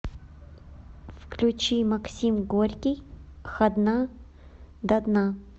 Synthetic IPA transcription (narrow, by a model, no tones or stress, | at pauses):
fklʲʊt͡ɕimɐksʲimɡoɾʲkʲijxɐd̪na | d̪ɐd̪na